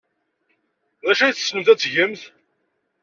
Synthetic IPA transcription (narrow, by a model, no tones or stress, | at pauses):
ðæʃæjθsnəmθæt͡sːʝəmθ